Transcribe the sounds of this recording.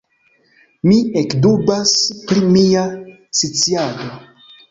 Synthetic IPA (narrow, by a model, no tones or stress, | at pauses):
miekdubaspɾimia | sit͡siado